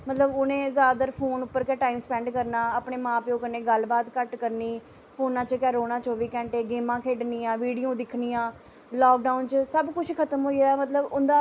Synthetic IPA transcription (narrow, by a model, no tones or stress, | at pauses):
mət̪ləbonẽːzaːd̪əɾpʰoːnʊpːəɾkɛːʈaːimspɛ̃ːɳɖkəɾnaːəːpɳeːmãːpɪõːkəneːɡəlbaːt̪kəʈkəɾniː | pʰoːnãːt͡ʃkɛːɾoːnãːt͡ʃoːʋiːkɛ̃ːɳʈeːɡeːmãːkʰeːɖniːãːʋiːɖiːõːd̪ɪkʰniːãː | lɔːk̚ɖaːʊnt͡ʃsəbkʊt͡ʃʰkʰət̪əmɦoːiaːmət̪ləbʊnd̪aː